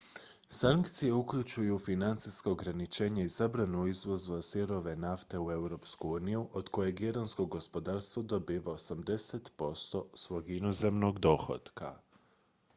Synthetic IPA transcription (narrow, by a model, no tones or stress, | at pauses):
saŋkt̪sije̞ukʎut͡ʃujufinant̪siskaoɡɾanit͡ʃe̞ːɲaizabɾanuizʋo̞zʋasiɾo̞ʋe̞naft̪e̞ue̞wɾo̞pskuuːnijuʔod̪ko̞jeɡeɾansko̞ɡo̞spo̞d̪aɾst̪ʋod̪o̞biːʋaosamd̪e̞set̪po̞st̪o̞sʋo̞ɡinoze̞mno̞ɡd̪o̞xo̰d̪ka̰